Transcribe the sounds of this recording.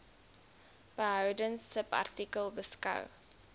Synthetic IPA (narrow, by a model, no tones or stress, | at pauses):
b̥əɦœwdəŋsəpɐ̰rtikəlˠbəskɐ̰w